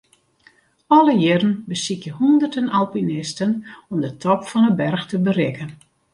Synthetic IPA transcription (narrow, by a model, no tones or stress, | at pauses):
ɔləjɪɾənbəsikjəhɔndərtənalˠpinɪstənɔmdətʰɔpfɔnəbɛrxtəbərɪkən